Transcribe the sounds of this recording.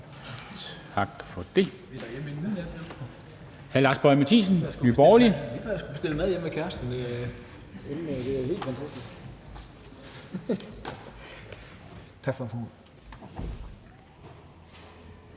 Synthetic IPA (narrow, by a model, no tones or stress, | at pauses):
t͡sʰ | ɑ̈ɡ̥fɒ̽d̥e̝ | ed̥ɑjemenmejeme | hælɑ̈ːsb̥ɒ̽ɪmæt͡sʰḭːs̬n̩sɡ̥nyːb̥ɒːlifsɡ̥ub̥e̝sd̥eləmæðˠjemːekʰæɐsd̥n | emd̥e̝æhe̝̰ːld̥fænt͡sʰæsd̥isɡ̥ | t͡sʰɑɡ̥fɒfɔm